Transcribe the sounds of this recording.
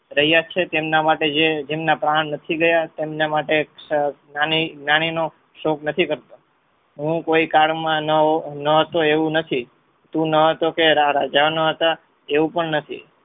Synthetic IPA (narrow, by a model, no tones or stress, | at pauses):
ɾəɦijat͡ʃʰet̪emnamaʈed͡ʒed͡ʒemnapɾaɳːət̪ʰiɡəjat̪emnamaʈenaninaɽ̃ino | ʃoknət̪ʰikəɾt̪o | ɦũkoikaɭmãnənəɦət̪oeʋũnət̪ʰi | t̪ũnəɦət̪okeɾaɾad͡ʒaʋnoɦət̪a | eʋũpəɳnət̪ʰḭ